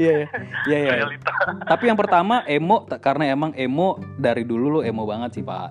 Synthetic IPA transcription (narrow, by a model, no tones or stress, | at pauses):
jajajajat̪apijaŋpərt̪amaʔemot̪akaɾənaemaŋʔemodaɾidululʊemobaŋət̪̚sipa̰